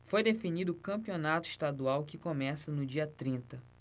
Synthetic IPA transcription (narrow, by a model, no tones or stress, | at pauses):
fojd̪efinid̪ʊkɐ̃mpionat̪ʊi̥ʃt̪ad̪uawkɪkomɛsɐnʊd͡ʒiɐt̪ɾĩnt̪ɐ